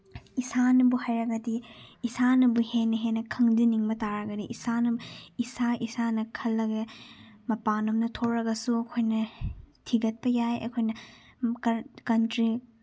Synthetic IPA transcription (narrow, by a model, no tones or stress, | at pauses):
isanɐbuhajɾɐɡɐdiːsanɐbuhenːɐɦenːɐkʰɐŋdiniŋmɐtaɾɐɡɐniʔisanɐbisaʔisanɐkʰɐlːɐɡɐmɐpanɐmnɐtʰoɾɐɡɐsuɐkʰojnɐtʰiɡɐt̚pɐjajɐ̰kʰojnɐ | kɐntɾi